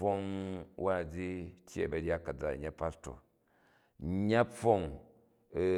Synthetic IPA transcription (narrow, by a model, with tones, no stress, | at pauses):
o˦ŋwa˦˨d͡zi˦tʲjḛ˦˨bɐ˨ɾʲja˦kɐ˨d͡za˨ɲa˦pa˦ɾto̰˨ | ɲa˦ɸo˦ŋ˨